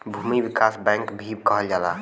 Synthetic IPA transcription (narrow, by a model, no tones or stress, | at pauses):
bʱumibikasbɛ̃ŋkbʱib̚kəɦəld͡ʒala